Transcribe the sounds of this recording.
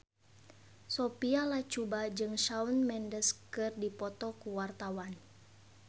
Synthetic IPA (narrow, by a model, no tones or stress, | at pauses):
sɔpialat͡ʃubad͡ʒɨŋʃaunmɛndəskɨrdipɔt̪ɔkuwart̪awan